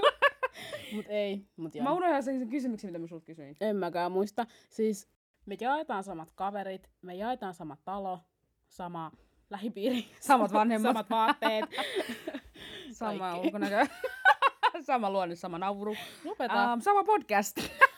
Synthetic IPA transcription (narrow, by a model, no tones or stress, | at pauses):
mut̪eimut̪jɑmæunohjɑseŋseŋkysymyksemit̪æmysult̪̚kysyinemmækæːmuist̪ɑ | siːs | mejɑet̪ɑːnsɑmɑt̪kɑʋeɾit̪ | mejɑet̪ɑːnsɑmɑt̪tɑlo | sɑmɑ | læhipiːrisɑmɑt̪ʋɑnhemːɑmɑt̪ʋɑːt̪ːeː | sɑmɑolkonækæ | sɑmɑluonːessɑmɑnɑuuɾujopeɑsɑmɑpodkæst̪